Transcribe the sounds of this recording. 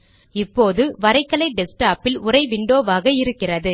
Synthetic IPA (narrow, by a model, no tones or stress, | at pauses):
ɪpːoːðɯʋɐɾɐɪkːɐlɐɪɖɛsʈaːpɪlʊrɐɪʋɪɳɖoːʋaːɣɐɪɾɯkːɪrɐðɯ